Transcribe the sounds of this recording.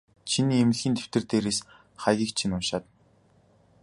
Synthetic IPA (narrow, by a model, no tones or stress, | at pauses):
t͡ɕʰiniːemɘ̆ɮɣʲiːnt̪ʰe̥w̥t̪ɘ̆rt̪eːɾeːs | χæjɣʲiːk̚t͡ɕʰinʊnʃaːt̪ən